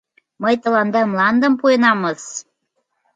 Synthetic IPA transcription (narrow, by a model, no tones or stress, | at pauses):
məjt̪ɤ̆lɑnd̪emlɑnd̪ə̆mpuenɑmə̆s